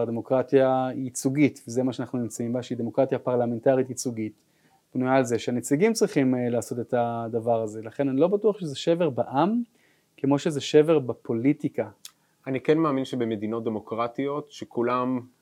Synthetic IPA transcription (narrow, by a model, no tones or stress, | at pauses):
d̪emo̞kʁatijait͡suɡitvezemaʃeanaχnunimt͡saimbaʃeid̪e̞mo̞kʁat̪japaʁlame̞ntaʁitit͡suɡit | b̥nujaːlzeʃeanet͡siɡimt͡sʁiχimlaːso̞te̞t̪ad̪avaʁaze̞laχe̞nanilo̞batuaχʃezeʃe̞ve̞ʁbaʔam | ke̞mo̞ʃezeʃe̞ve̞ʁbapʰo̞litika | anikenmaːminʃebemed̪ino̞t̚d̪emo̞kʁatio̞tʃekulam